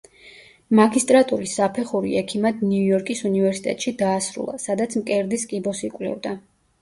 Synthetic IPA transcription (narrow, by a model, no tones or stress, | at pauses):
maɡist̪ʼɾat̪ʼuɾisːapʰɛχuɾḭɛkʰimad̪niuujɔɾkʼisunivɛɾsi̥t̪ʼɛt̪ʼʃid̪aːsɾṵlˠa̰sad̪at̪sʰmkʼɛɾd̪iskʼibɔsikʼvlɛ̰vd̪a